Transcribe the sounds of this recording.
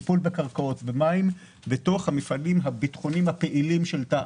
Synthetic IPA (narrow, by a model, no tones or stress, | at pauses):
pulbekaʁkao̞tbemaim | beto̞χhamifʔalimɦabitχonimhapeʔilimʃelta